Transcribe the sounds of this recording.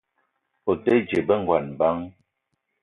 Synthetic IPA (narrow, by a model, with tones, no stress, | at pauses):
o˨tə˦d͡ʒe˨bə˦ŋ˦ɡwa˨nba˦ŋ